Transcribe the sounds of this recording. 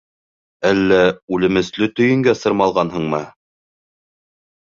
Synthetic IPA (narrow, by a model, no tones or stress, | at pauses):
ælːæʉlɘ̆mɘ̆slɵt̪ɵ̆jɘ̆ŋɡæsɤ̆ɾmɑlˠʁɑnɦɤɴmɤ